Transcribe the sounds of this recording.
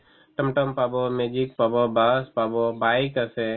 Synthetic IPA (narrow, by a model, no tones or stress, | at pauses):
ʈəmʈəmpabɔmed͡ʒik̚pabɔbaspabɔbaikasɛ